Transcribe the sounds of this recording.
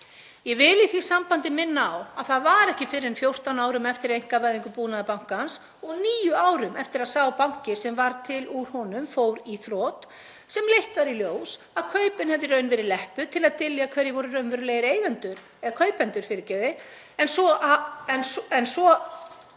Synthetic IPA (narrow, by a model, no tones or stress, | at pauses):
jɛvɪliθi̥sampant̪ɪmɪnːaːwaðθaðvaɾɛhcɪfɪɾɪɛnfjowr̥t̪awnaːwɾʏmɛft̪ɪɾejŋ̥kavajðiŋkʏpuːnaðapawŋ̥kans | ɔɣniːjʏaːwɾʏmɛft̪ɪɾaðsaːwapawŋ̥cɪsɛmvaɾt̪ʰɪluɾ̥hɔnʏmfowɾiθɾɔːt̪ | sɛmlejht̪vaɾiljoːws | aðkʰœːɥpɪnhɛvðɪɾœɥnvɛːɾɪðlɛhp̪ʏt̪ʰɪlaðt̪ɪljakʰvɛɾjɪvɔɾʏrœɥnvɛɾɪleːjɾeːjɣant̪ʏɾ | ɛɣakʰœːɥpɛnt̪ʏɾ̥fɪɾɪcɛːðɪ | ɛnsɔaɛnsɛnsɔ